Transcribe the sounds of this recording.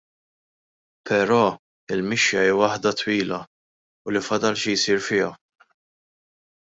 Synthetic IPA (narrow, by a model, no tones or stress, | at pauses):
pʰɛɾɔː | ɪlmɪʃjɐiːwɐħd̪ɐt̪wiːlɐ | ʊlifɐd̪ɐlʃijsiːɾfɪːɐ